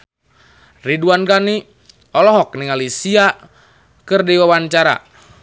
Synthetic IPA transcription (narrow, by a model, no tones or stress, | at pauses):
riduankani | ɔlɔɦɔk̚niŋalisia | kɨrdiwawaɲt͡ʃaɾa̰